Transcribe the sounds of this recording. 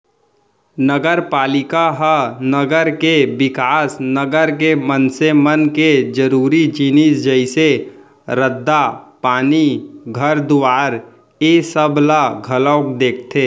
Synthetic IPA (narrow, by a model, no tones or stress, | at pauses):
nəɡəɾpaːlɪkaɦənəɡəɾkebɪkaːsnəɡəɾk̬emənsemənked͡ʒəɾuːɾid͡ʒinisd͡ʒəɪse | ɾəd̪ːapaːniɡʱəɾd̪ʊʋaːɾ | esəblaɡʱəlɔːkd̪eːk̚ʰt̪ʰeː